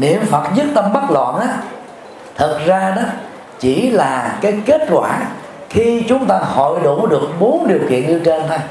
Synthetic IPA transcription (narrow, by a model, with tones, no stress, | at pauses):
nḭ˧˨əmfə˨˩t̚zɨ˦˥t̚t̪ə˧mɓa˦˥t̚lwa̰˧˨nʔaː˨˦ | t̪ʰə˨˩t̚zaː˧ɗɔ˨˦ | t͡ɕi˧˩laː˨˩kaː˨˦jke˦˥t̚kwaː˧˩ | xi˧t͡ɕʊ˨˦ŋ͡mt̪aː˧ho̰˧˨jɗu˧˩ɗɨ˨˩ək̚ɓo˨˦nɗi˨˩əwkḭ˧˨ənɲɨ˧t͡ɕe˧nt̪ʰo˧j